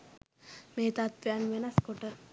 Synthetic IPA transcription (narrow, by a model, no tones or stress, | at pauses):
meːt̪at̪̚ʋianʋenaskoʈə